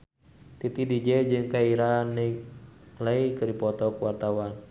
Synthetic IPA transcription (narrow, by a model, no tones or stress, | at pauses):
t̪it̪idid͡ʒɛd͡ʒɨŋkaiɾanɛ | laikɨɾipɔt̪ɔkwart̪awan